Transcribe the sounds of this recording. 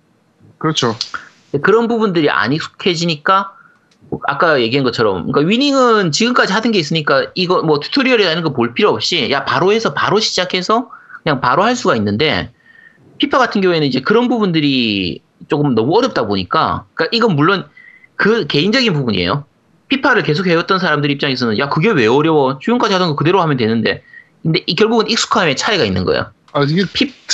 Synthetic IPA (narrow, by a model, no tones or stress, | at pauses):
kɯɾʌt͡ɕʰo | ekɯɾʌnbubundɯɾiʔa̰ɲisʰo̥kʰe̞d͡ʑiɲik͈a | oa̰k͈aje̞ɡiɦanɡʌt͡ɕʰʌɾʌmk͈aɥiɲiŋɯnt͡ɕiɡɯmk͈ad͡ʑihadɯnɡe̞is̬͈ɯɲik͈aiɡʌmwʌtʰu̥tʰoɾiʌɾeanɯnɡʌpoɭpʰiɾjʌʌp̚ɕ͈ijapaɾohe̞sʰʌpaɾoɕʰi̥d͡ʑakʰe̞sʰʌkɯɲaŋpaɾohaɭs̬͈uɡainːɯnde̞̰ | pʰipʰaɡatʰɯnɡjʌŋuenɯnid͡ʑe̞kɯɾʌnbubundɯɾi | t͡ɕok͈ɯmnʌmuʌɾʌp̚t͈aboɲik͈a̰k͈aʔiɡʌnmuɭːon | kɯke̞ind͡ʑʌɡinpubuɲiḛjo̰ | pʰipʰaɾɯɭke̞s̬ʰokʰhe̞ʌt̚t͈ʌnsʰaɾamdɯɾiːp̚t͡ɕ͈aŋe̞s̬ʰʌnɯnjakɯɡe̞we̞ʌɾjʌwʌt͡ɕujunkad͡ʑihadʌnɡʌkɯde̞ɾohamjʌndwe̞nɯnde̞̰ | kɯnde̞ʔikjʌɭɡuɡɯnik̚s͈u̥kʰame̞t͡ɕʰaiɡainːɯ̰nɡʌ̰ḛjo̰ | ad͡ʑiɡepʰip